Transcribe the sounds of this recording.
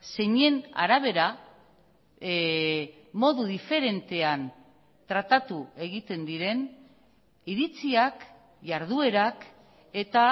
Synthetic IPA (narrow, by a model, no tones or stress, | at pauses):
se̞ɲe̞na̰ɾaβ̞e̞ɾa | mo̞ðuðife̞ɾe̞nt̪e̞an | t̪ɾat̪at̪ue̞ɣit̪e̞nd̪iɾe̞n | iɾit͡siak | ʝaɾð̞ue̞ɾak | e̞t̪a